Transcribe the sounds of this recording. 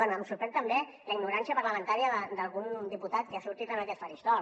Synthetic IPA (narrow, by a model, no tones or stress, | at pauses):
onəmsuɾpɾɛt̪əmbe | ləiɡnuɾansiəpəɾləmə̃nt̪aɾiəðəd̪əlˠɣund̪iput̪at̪̚keasuɾt̪it̪ənakɛt̪pəɾist̪ɔ